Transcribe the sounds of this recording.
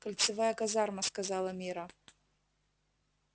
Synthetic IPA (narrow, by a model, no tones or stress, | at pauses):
kɐlʲt̪sɨvajɐkazarmɐskazalˠɐmʲiɾɐ